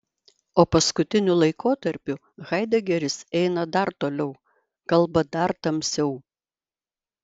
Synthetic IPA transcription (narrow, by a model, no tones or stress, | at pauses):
oːpɐskʊt̪ʲɪnʲʊlˠɐɪkoːt̪ɐɾʲpʲʊ | ɣɐɪd̪ʲɛɡʲɛɾʲɪsɛɪnɐd̪ɐɾt̪oːlʲɛʊ | kɐlˠˑbɐd̪ɐɾt̪ɐmʲsʲɛʊ